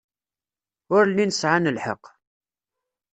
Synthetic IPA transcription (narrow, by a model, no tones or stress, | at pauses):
ʊɾlːinəsʕanəlħə̰q